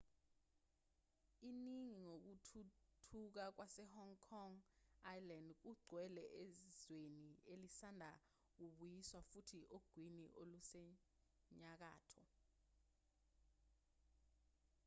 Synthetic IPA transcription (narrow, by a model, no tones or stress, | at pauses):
iniŋiŋok̬utʰutʰuk̬ak̬wasɛhɔŋkʰɔŋajlandk̬uɡ͡ǀʱwɛlɛʔezwenielisandʱa | k̬uɓujiswafutʰiʔoɡ̥ʱwiniʔolusɛ | ɲak̬a̰ːtʰɔ